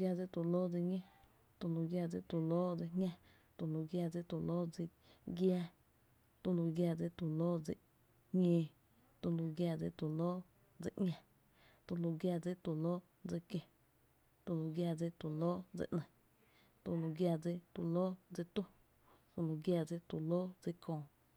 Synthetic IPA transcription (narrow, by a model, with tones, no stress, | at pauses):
ɡjaː˧d͡zi˧˦t̪u˨loː˦d͡zi˧ɲẽ˦˧ | t̪u˧lũ˧ɡja˧d͡zi˧t̪u˧˨loː˦d͡ze˧ɲɲʲã˧ | t̪u˧lũ˧ɡjaː˧d͡zi˦t̪u˧loː˦d͡zi˧ | ɡjaː˧ | t̪u˧lu˧ɡjaː˧˨d͡zi˧t̪u˧˨loː˦d͡zḭ˧˨ʔ | ɲẽː˧ | t̪u˧lu˧ɡjaː˧d͡zḭ˧t̪u˨loː˦ | d͡zḛ˧˨ʔŋʲã˧ | t̪u˧lu˧ɡjaː˧d͡zi˦t̪u˧˨loː˦ | d͡zə˧kjẽ˨ | t̪u˧lu˧ɡjaː˧˨d͡zi˧t̪u˧˨loː˦d͡zḭ˧˨ʔnə̃˨ | t̪u˧˨lu˧ɡjaː˧d͡zi˧˦t̪u˧˨loː˦d͡zi˧t̪ũ˦ | t̪u˧lu˧ɡja˧d͡zi˦t̪u˧˨loː˦d͡zi˧kʰõː˧˨